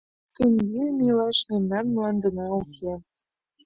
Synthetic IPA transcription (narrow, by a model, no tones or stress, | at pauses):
kə̆nʲɡiənilɑʃnenːɑrmlɑnd̪ə̆nɑukʰʲe